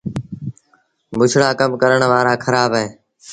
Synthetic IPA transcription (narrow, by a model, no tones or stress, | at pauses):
bʊt͡ʃʰɽaːkəmkəɾəɳʋaːɾaːkʰəɾaːbɦẽː